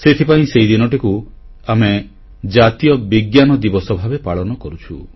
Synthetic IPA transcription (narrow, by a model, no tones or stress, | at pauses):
set̪ʰipaĩsejd̪inɔʈiku | ame | d͡ʒat̪ijɔbiɡjanɔd̪ibɔsɔbʱabepaɭɔnɔkɔɾut͡ʃʰu